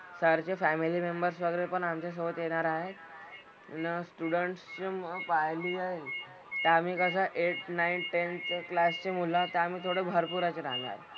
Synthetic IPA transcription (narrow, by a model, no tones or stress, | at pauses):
səɾt͡ɕefæmilimembəɾsʋəɡɾepəɳamt͡ɕas̬oʋət̪jeɽ̃aɾaɦet̪ | nəsʈuɽəɳʈst͡ɕempajliːaɦe | t̪eamiːkəs̬aʔeʈnainʈent͡ɕklast͡ɕemulãt̪eamiːt̪ʰoɽebʱəɾpuɾat͡ɕeɾaŋa̰ɾ